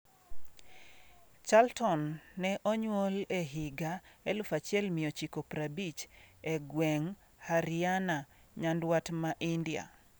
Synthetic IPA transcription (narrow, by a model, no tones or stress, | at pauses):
t͡ʃaltɔnːɛʔɔɲwoleɦɪɡaelʊfat͡ʃɪɛlmɪot͡ʃikopɾabit͡ʃɛɡwɛŋ | haɾɪana | ɲandwatmaʔindia̰